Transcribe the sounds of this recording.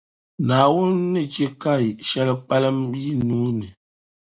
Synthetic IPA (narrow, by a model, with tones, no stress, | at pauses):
naː˨wo˦n˦nɨ˦d͡ʒe˦ka˦˨i˨ʃɛ˦lə˦k͡pa˦lə˦mji˦nuː˨˦nɨ˨